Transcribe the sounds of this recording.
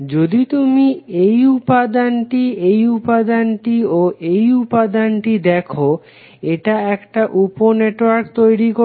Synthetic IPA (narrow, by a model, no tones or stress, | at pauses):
d͡ʑod̪it̪umiejupad̪anʈiejupad̪anʈioʔejupad̪anʈid̪ɛkʰo | eʈaɛkʈaʔuponeʈwaɾkt̪ojɾiko